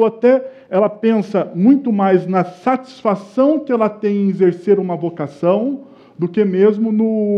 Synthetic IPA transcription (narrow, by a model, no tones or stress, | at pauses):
at̪ɛ | ɛlɐpẽsɐmũj̃t̪ʊmajznɐsat͡ʃi̥sfasɐ̃w̃kɪɛlɐt̪ẽj̃ɪ̃ezeɾseɾũmɐvokasɐ̃w̃ | d̪ʊkemezmʊnʊ